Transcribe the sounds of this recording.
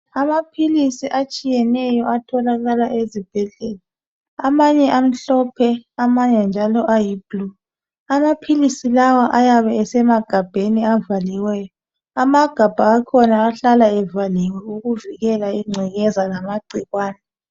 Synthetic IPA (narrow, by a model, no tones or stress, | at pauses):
amapʰilisiʔat͡ʃʼijɛnɛjɔatʰɔlaɣalaʔezib̥ʱɛɮɛla | amaɲɛʔam̩ɬɔpʰɛamaɲɛnd͡ʒʱalɔʔajib̥luː | amapʰilisilawaʔajaβɛɛsɛmaɡ̥ʱab̥ʱeniavaliwɛːjɔ | amaɡ̥ʱab̥ʱaːkʰɔnaːɬalaɛvaliwɛuɣuviɣɛlaiŋ͡ǀʱiɣɛzalamaɡ͡ǀʱiɣwaːnɛ